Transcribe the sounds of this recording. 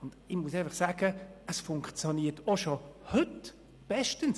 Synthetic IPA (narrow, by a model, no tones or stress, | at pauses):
ʊnd̥ɪmuəseɪfɐχsaːɡ̥əəsfʊŋkt͡sjɔniːətʰoʃɔhʏt | b̥ɛʃtəns